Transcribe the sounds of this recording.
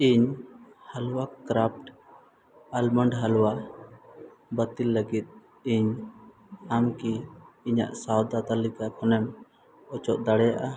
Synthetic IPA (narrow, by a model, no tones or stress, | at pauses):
iɲhalwakɾap̚ʈ | alməɳɖɦalwa | bət̪ilːəɡit̪̚ | iɲ | amkiːɲa̰ʔsawd̪at̪alikakʰɔnɛm | ɔt͡ʃɔʔ̚d̪aɽɛjaʔa